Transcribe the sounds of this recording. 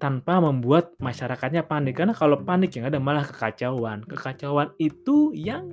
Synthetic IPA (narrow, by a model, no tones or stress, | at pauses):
t̪anpaməmbuat̪̚maʃaɾakat̪̚ɲapanɪkːarnakalopanɪkjaŋadamalahkə̥kat͡ʃawankəkat͡ʃawanit̪ujaŋ